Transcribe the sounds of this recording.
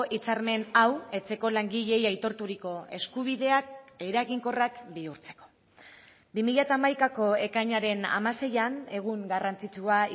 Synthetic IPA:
ʔit͡saɾme̞nawe̞t͡se̞ko̞laŋɡiʎe̞jajt̪o̞ɾt̪uɾiko̞e̞skuβ̞iðe̞akejɾaɣiŋko̞rakbiuɾt͡se̞̥ko̞̥ | bimiʎat̪aːmajkako̞e̞kajɲaɾe̞na̰mase̞jane̞ɣ̞uŋɡarant͡sit͡ʃua

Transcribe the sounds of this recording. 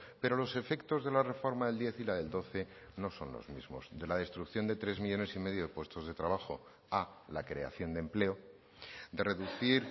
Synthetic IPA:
pe̞ɾo̞lo̞se̞fe̞kt̪o̞zðe̞lare̞fo̞ɾmaðe̞ld̪je̞θilaðe̞ld̪o̞θe̞no̞so̞nlo̰zmizmo̞̰zd̪e̞laðe̞st̪ɾukθjo̞nd̪e̞t̪ɾe̞zmiʎo̞ne̞sime̞ðjo̞ðe̞pwe̞st̪o̞zð̞e̞t̪ɾaβ̞axo̞ | alakɾe̞a̰θjo̞nd̪emple̞o̞ | d̪e̞re̞ðuθiɾ

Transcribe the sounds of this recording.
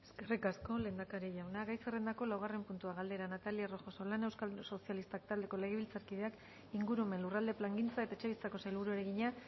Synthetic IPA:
eskerikasko̞le̞ːnd̪akaɾeʝawnaɣajserend̪ako̞lawɣ̞are̞mpunt̪uaɣ̞ald̪e̞ɾanat̪aliaro̞xo̞so̞lane̞wskalso̞sialist̪akt̪ald̪e̞ko̞le̞ɣ̞eβilt͡saɾkið̞e̞ak | iŋɡuɾuo̞me̞nlurald̪e̞plaŋɡint͡sae̞t̪aet͡ʃe̞βilt͡sako̞sajlβuɾueɾe̞ɣiɲa

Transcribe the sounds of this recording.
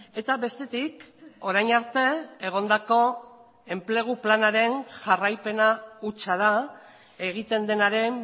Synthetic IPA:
e̞t̪aβe̞st̪e̞t̪iko̞ɾajɲaɾt̪e̞eɣ̞o̞nd̪ako̞ | e̞mple̞ɣ̞uplanaɾe̞nʝarajpe̞naut͡ʃaða | e̞ɣ̞it̪e̞nd̪e̞naɾe̞m

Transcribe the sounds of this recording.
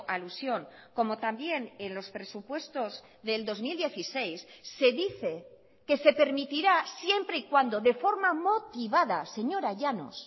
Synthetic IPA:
ʔalusjo̞ŋko̞mo̞t̪ambje̞nenlo̞spɾe̞supwe̞st̪oz | ðe̞ld̪o̞zmild̪je̞θisejsːe̞ðiθe̞ | ke̞se̞pe̞ɾmit̪iɾasje̞mpɾeikwand̪o̞ðe̞fo̞ɾmamo̞t̪iβ̞aðase̞ɲo̞ɾaʝano̞̰s

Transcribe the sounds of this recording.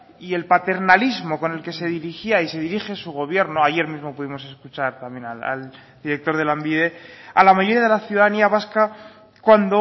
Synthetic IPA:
ie̞lpat̪e̞ɾnalizmo̞ko̞ne̞lke̞se̞ðiɾixiaise̞ðiɾixe̞suɣ̞o̞β̞je̞ɾnoaʝe̞ɾmizmo̞puðimo̞se̞skut͡ʃaɾt̪ambje̞naa̰l | d̪iɾe̞k̚t̪o̞ɾðe̞lambiðe̞alamaʝo̞ɾijaðelaθjuðaðaniaβaska | kwand̪o

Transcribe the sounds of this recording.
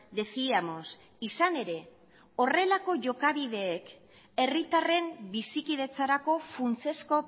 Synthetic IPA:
d̪e̞siamo̞s | isane̞ɾe̞ | o̞re̞lako̞ʝo̞kaβ̞ið̞e̞ːk | e̞rit̪are̞mbisikið̞e̞t͡saɾako̞funt͡se̞sko̞

